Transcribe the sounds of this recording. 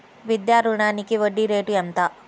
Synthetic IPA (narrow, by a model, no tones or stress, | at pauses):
ʋid̪jaːɾuɳaːnikiʋɐɖːiɾeːʈuɛnt̪a